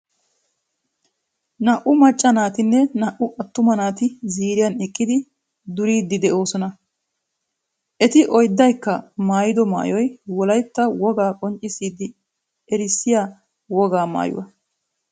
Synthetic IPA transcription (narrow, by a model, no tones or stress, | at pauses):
nɐʔʊmɐt͡ʃʼːɐnaːt̪ɪnːɛnɐʔʊʔɐt̪ːʊmɐnaːt̪ɪziːɾɪjɐnɛkʼːɪd̪ɪ | d̪ʊɾiːd̪ːɪd̪ɛʔo̞ːsɔnɐ | ʔɛt̪ɪʔɔjd̪ːɐjkːɐmaːjɪd̪ɔma̰ːjɔjwɔlɐjt̪ːɐwɔɡaːkʼɔnt͡ʃʼːɪsːiːd̪ːɪ | ɛɾɪsːɪjaː | wɔɡaːma̰ːjʊ̰wɐ̰